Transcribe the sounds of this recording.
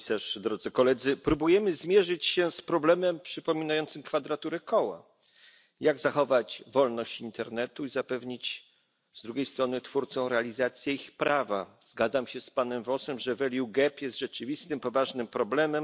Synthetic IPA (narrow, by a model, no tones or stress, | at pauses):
saʂd̪ɾɔd̪zɘkɔlɛd̪zɘpɾubujɛmɘzmʲjɛʐɘt͡ɕɕɛspɾɔblɛmɛmpʂɘpɔmʲinajɔnt̪sɘmkfad̪ɾat̪uɾɛkɔwa̰ | jaɡzaxɔvad͡ʑvɔlnɔɕt͡ɕint̪ɛɾnɛt̪uizapɛvɲit͡ɕ | z̥d̪ɾuɡʲejst̪ɾɔnɘt̪fuɾt̪sɔ̃w̃ɾɛalʲizat̪sʲjɛixpɾavazɡad̪zamɕɛspanɛmvɔsɛmʐɛvɛlʲjuɡɛpjɛst̪ʐ̥ɛt͡ʂɘvʲist̪ɘmpɔvaʐnɘmpɾɔblɛmɛm